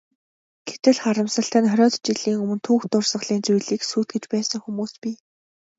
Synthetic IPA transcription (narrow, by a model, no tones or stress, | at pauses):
ɡʰe̥t̪ɘ̆ɮχaɾə̆msə̆ɬt̪ʰæːnχœɾʲɔːt̪t͡ɕiɮiːŋɵmɵ̆nt̪ʰuːxt̪ʊrsə̆χɮiːnt͡sujɮiːksuːt̪̚ɡɘ̆t͡ɕpæːsə̆ŋxumuːspʲiː